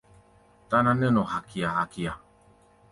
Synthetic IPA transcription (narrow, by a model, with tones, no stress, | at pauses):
t̪a˦nã˧ne˦no˨ha˨kʰi˨a˨ha˨ki˨a˨